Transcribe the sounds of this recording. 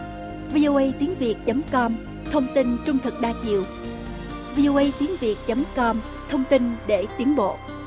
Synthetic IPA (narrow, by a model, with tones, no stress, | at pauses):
vi˧ʔo˧ʔə˧jt̪i˨˦ənvi˨˩ət̚t͡ɕə˨˦mkɔ˧m | t̪ʰə˧wŋ͡mt̪i˧nt͡ɕʊ˧ŋ͡mt̪ʰɨ˨˩k̚ɗaː˧t͡ɕḭ˧˨əw | vi˧ʔo˧ʔə˧jt̪i˨˦ənvi˨˩ək̚t͡ɕə˨˦mkɔ˧m | t̪ʰə˧wŋ͡mt̪i˧nɗe˧˩t̪i˨˦ənɓo̰˧˨